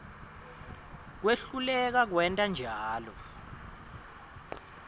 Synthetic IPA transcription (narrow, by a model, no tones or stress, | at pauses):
k̬weɬulɛk̬ak̬wɛntʼand͡ʒʱaːlɔ